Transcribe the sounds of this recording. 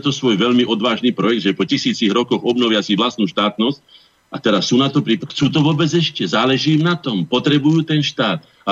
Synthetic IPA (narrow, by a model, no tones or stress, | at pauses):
t̪ɔsʋɔjʋɛʎmiʔɔd̪ʋaːʒniːpɾɔjɛɡd̪ʒɛpɔcisiːt͡siɣɾɔkɔɣɔbnɔʋɪasiʋlast̪nuːʃt̪aːt̪nɔsc | at̪ɛɾassːuːnat̪ɔpɾiːpxt͡suːt̪̬ɔʋʊɔːbɛd͡zɛʃcɛzaːlɛʒiːmnat̪ɔmpɔt̪ɾɛbujuːt̪ɛnʃt̪aːt̪ | a